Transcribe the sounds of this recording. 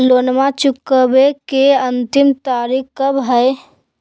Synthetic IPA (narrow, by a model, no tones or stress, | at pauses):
loːnmat͡ʃʊkːəbekeənt̪ɪmt̪aːɾikkːəbɦəe